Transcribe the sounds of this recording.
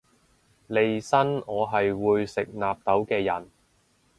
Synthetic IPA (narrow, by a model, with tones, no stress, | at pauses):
le˨˧jsɐ˥nɔː˨˧ɦɐ˨jwuː˨˧jsɪ˨k̚naː˨p̚t̪ɐ˨˥wkɛː˧jɐ˨˩n